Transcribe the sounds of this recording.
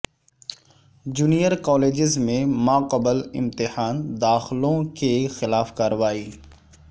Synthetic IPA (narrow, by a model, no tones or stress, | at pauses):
d͡ʒuːnijəɾkɔːleːd͡ʒɪzmẽmãːqəbəlɪ̰̃mt̪ɪhaːnd̪aːxɪlõkexɪlaːfkaːɾəʋaːiː